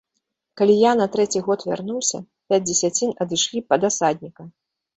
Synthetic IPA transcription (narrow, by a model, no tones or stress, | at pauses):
kalʲijanɐt̪ɾɛt͡sʲiɣɔt̪vʲa̰rnuwsʲɐ̰ | pʲad͡zʲd͡zʲɛsʲat͡sʲinɐd̪ɨʂlʲipɐd̪asad̪ʲnʲikɐ